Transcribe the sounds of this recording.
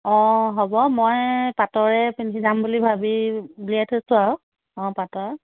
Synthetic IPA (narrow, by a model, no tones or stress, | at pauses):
ɔ̃ɦɔbɔmojpatɔɹɛpinkʰizambulibʱabiuliatʰosʊaw | ɔ̃patɔɹ